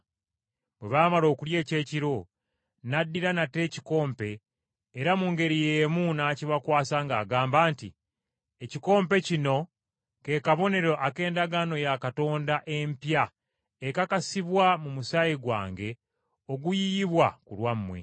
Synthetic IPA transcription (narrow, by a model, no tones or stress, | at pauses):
bwe̞̰βaːmalo̞ːkulje̞ːce̞ːciɾo̞ | nadːiɾanate̞ːciko̞ːmpe̞ː | ɾamuŋɡe̞ɾijeːmunaːciβakwaːsaŋɡaːɡaːmbaːntḭ | eciko̞ːmpe̞cino̞ | ke̞kaβo̞ne̞ɾo̞ʔake̞ːndaɡano̞jakato̞ːndaʔe̞mpja | ekakasiβwamumusajiɡwa̰ːŋɡe̞ | o̞ɡujijiβwakulwamːwe̞̰